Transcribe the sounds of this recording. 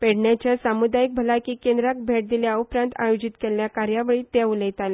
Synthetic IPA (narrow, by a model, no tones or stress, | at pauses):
peɽɳjat͡ɕjasamud̪ajik̚bʱəlajkiːkẽnd̪ɾak̚bʱeʈ̚d̪iljaupɾãnt̪ajod͡ʑit̪keljakaɾjaʋeɭiːt̪jauləjt̪ale